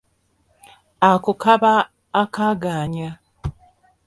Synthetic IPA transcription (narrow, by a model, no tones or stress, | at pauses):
akukaβaː | kaɡaːɲa